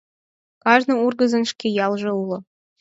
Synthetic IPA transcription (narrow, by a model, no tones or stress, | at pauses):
kɑʒnɤ̆urɡɤ̆zɤ̆nʃkʲejɑlˠʒɤ̆ulˠɤ̆